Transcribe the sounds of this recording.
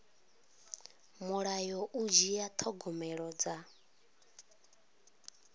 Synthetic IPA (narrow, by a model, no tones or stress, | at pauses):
muɺajɔʔud͡ʒiat̪ʰɔɡɔmɛɺɔd͡za